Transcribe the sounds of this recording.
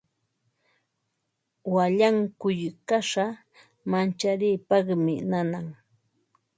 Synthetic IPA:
waʎaŋkʊjkaʂa | mant͡ʃaɾɪːpɑχmɪnanaŋ

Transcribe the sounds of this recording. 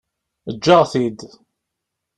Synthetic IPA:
əd͡ʒːəʁθid̪

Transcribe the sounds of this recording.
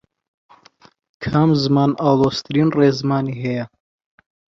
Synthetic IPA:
kʰamzɨmaːnʔaːwlˠoːst̪ʰɨɾiːnreːzɨmaːniːɦɛjɐ

